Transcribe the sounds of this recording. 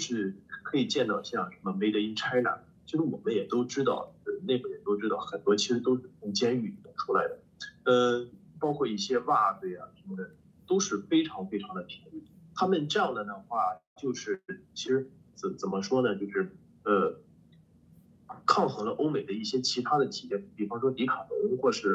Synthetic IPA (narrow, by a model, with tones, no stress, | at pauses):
ʂɻ̩˥˩kʰɤ˧˥i˨˩t͡ɕjɛ˥˧nt̪ɑ˥˩ʊɕjɑ˥˩ŋʂə˧˥mə˧me˧˥ɪd̪ə˧i˥ŋʈ͡ʂʰa˥ɪla̰˨˧˥n | t͡ɕʰo˥˧ʂɻ̩˥wɔ˨˩mə˦njɛ˨˩t̪o˥ʊʈ͡ʂɻ̩˥t̪ɑ̰˥˩ʊə˧ne˥˩ɪɡə˧˩jɛ˨˩t̪o˥ʊʈ͡ʂɻ̩˥t̪ɑ˥˩ʊxə˨˩nt̪wɔ˥t͡ɕʰi˧˥ʂɻ̩˧˥t̪o˥ʊʂɻ̩ʰ˥˩ə˥˩ŋt͡ɕjɛ˥ny˥˩˥ə˥˩ʈ͡ʂʰu˥la˧˥ɪd̪ə˧ | ə˧pɑ˥ʊkʰwɔ˥˧i˥˩ɕjɛ˥wa˥˩twe˥˩ɪa˨˩ʂə˧˥mə˧˩d̪ə˨˩ | t̪o˥ʊʂɻ̩˥˩fe˥ɪʈ͡ʂʰɑ˧˥ŋfe˥ɪʈ͡ʂʰɑ˧˥ŋd̪ə˧pʰi˧˥ŋly˥˩t̪ʰa˥mə˨nʈ͡ʂɤ˥˧jɑ˥˩ŋd̪ə˩nə˩xwa˥˩ | t͡ɕjo˥˧ʊʂɻ̩˥˩t͡ɕʰi˧˥ʂɻ̩˧˥ | t͡s̩˨˧˩t͡sə˨˩mʔə˦ʂwɔ˥nə˨t͡ɕjo˥˧ʊʂɻ̩˥˩ | ə˧ | kʰɑ˥˩ŋxɤ˧˥ŋlə˧ʔo˥ʊme˨˩ɪd̪ə˦i˥˩ɕjɛ˥t͡ɕʰi˧˥t̪ʰa˥d̪ə˨t̪ʰi˨˩jɛ˥˩n˧˥t̪p̪i˥˩fɑ˥ŋʂwɔ˥li˧˥kʰɑ˨˩ʊnə˧˥ŋxwɔ˥˧ʂɻ̩˥˩